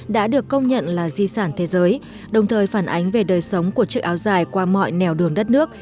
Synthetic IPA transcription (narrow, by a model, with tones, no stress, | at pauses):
ɗa̰ː˧˥ɗɨ˨˩əkːə˧wŋ͡mɲə̰˧˨nlaː˨˩zi˧saː˧˩nt̪ʰe˨˦zəː˨˦j | ɗə˨˩wŋ͡mt̪ʰəː˨˩jfaː˧˩nʔa˨˦jŋ̟ve˨˩ɗəː˨˩jsə˨˦wŋ͡mku˧˩ət͡ɕɨ˦˥k̚ʔaː˨˦wzaː˨˩jkwaː˧mɔ̰˧˨jnɛ˨˩wɗɨ˨˩əŋɗə˦˥t̚nɨ˦˥ək̚